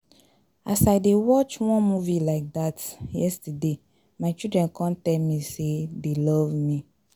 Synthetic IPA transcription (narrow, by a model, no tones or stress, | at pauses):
asaɪdewɔt͡ʃwɔ̃nmuvilaɪk̚d̪atjɛstəde | maɪt͡ʃildɹɛ̃nkʰɔ̃ntɛmĩsedelɔvmi